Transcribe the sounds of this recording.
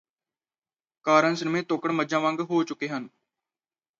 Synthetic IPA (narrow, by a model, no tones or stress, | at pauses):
kaːɾənsəɾmẽːt̪oːkəɽməd͡ʒãːʋə̃ŋɡɦoːt͡ʃʊkːeːɦən